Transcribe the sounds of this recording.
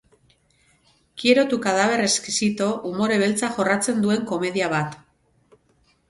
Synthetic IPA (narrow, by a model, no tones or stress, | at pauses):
kieɾo̞t̪ukaðaβe̞reskisit̪o̞ʔumo̞ɾe̞βe̞lt͡saxo̞rat͡se̞nd̪ue̞ŋko̞me̞ðiaβ̞at̪